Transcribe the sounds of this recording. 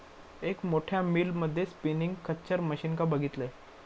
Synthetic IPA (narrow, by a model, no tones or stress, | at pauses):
ekmoʈʰjamiːlməd̪ʱːjespiniŋɡkət͡ɕəɾməɕinkabəɡʱit̪le